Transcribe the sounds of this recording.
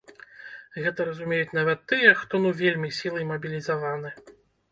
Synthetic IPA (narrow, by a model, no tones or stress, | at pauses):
ɣɛt̪ɐɾɐzumʲejut͡sʲnavɐt̪ːɨjɛxt̪ɔnuvʲelʲmʲisʲilˠɨjmɐbʲilʲizavanɨ